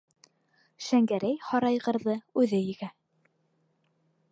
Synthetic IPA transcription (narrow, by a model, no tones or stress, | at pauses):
ʃæŋɡæɾæjhɑɾɑjʁɤ̆ɾðɤʉðɘjɘ̆ɡæ